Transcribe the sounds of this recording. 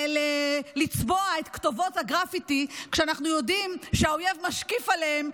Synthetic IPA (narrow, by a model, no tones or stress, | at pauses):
lelit͡sboae̞t̪ktovo̞thaɡʁafitikʃeanaχnujo̞dimʃeaoje̞vmaʃkifaleem